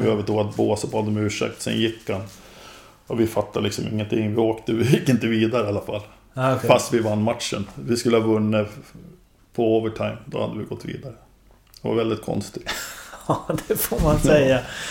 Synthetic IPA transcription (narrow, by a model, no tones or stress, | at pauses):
vɪøːvəʈoːɡat̪̚boːsɔbad̪əmʉ̟ːʂɛ̰k̚t̪sɛ̰njɪkːan | ɔvɪfat̪ʰːalɪksɔmɪ̰ŋːənt̪ʰɪŋːvɪoːkt̪əɪjɪkːɪnt̪əviːd̪aɾəalːafalː | fast̪vɪvanːmat̪ʂə̰nvɪskɵlːəhɑːvɵnːə | pʰɔoːvəʈʰaɪmd̪ɔ̰ha̰d̪ːəvɪɡɔt̪ːvḭːd̪aɾə | d̪ɛva̰ɾvɛld̪ɪt̪̚kʰɔ̰nst̪ɪ | d̪ɛfomansɛja